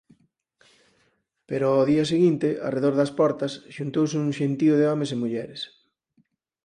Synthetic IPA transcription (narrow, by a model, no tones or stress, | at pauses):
peɾʊɔðiɐseɣint̪ɪʔa̰reðoɾðɐspɔɾt̪ɐsʃunt̪owsuŋʃent̪iʊðeɔmesemuʎɛɾes